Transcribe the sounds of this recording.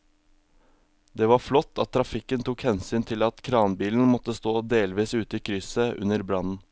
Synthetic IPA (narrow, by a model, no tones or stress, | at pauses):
d̪eːʋɑflɔt̪ːɑt̪̚ʰːɾɑfɪkːənt̪ʰukhɛnsyːnt̪ʰɪlɑt̪kʰɾɑːnbiːln̩mɔt̪ːəst̪oːd̪eːlʋiːsʉːt̪əiːkʰɾʏsəʔʉ̰nəɾbɾɑnn̩